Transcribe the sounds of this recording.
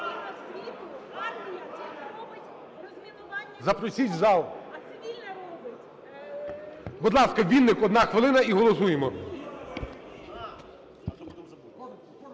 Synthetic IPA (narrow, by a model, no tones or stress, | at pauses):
zɐpɾɔsʲit͡ʃʲzɑlˠ | bɔd̪lˠɑskɐʋʲinːɪkɔd̪nɑxʋɪlˠɪnɐiɦɔlˠɔsujemɔ